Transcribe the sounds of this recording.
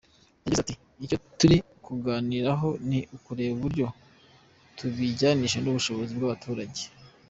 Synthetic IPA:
naɟizati | ico̞tuɾi | kuɡaːniɾaɦo̞niʔukuɾe̞ːβuβuɾɟo̞ | tʰuβiɟaniʃ̬enuβuʃo̞βo̞zibɡaβatʰuːɾaɟe

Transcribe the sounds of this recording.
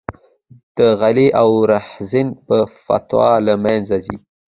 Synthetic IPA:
d̪̥əɣaliʔawɾaħzɪnpəfa̰t̪wɑ̰lamanzazi

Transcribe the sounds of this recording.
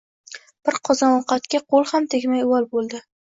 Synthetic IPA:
b̥ɪɾqʰɒzɒnɒqɑt̪kʲaqʰolˠhamt̪ʰekʲmajwɒlˠbolˠd̪ɪ

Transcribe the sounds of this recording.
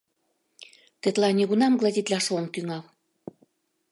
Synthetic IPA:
t̪ĕt̪lɑnʲeɣunɑmɡlɑzʲit̪lʲɑʃomkyŋɑl

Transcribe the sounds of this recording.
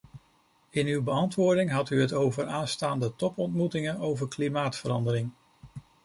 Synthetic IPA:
ɪnywbəɑntʋʊːɹdɪŋɦɑtyɦətowvəɹaːnstaːndətɔpɔntmutɪŋənowvəɹklimaːtfəɾɑndəɾɪŋ

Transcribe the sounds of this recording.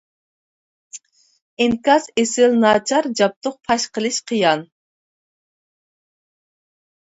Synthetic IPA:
ɪŋkɑsesɪlnɑːt͡ʃʰɑɾd͡ʒɑp̚t̪ʰʊq̚pʰɑʃqəlˠɨʃqʰəjɑn

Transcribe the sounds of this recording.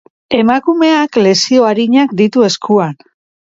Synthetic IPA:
e̞makume̞akle̞sio̞aɾiɲakd̪it̪ue̞skʰuan

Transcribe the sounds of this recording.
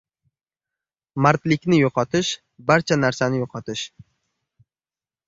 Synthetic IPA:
maɾt̪lɪkʲnɪjoqʰɒt̪ʰɪʃ | baɾt͡ʃʰanaɾsanɪjoqʰɒt̪ʰɪʃ

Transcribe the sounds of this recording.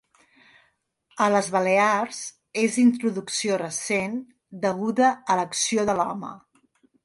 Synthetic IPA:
ələzβəlearz | ezint̪̬ɾuðuksiorəsen | d̪əɣuðəːləksioðəlɔmə̰

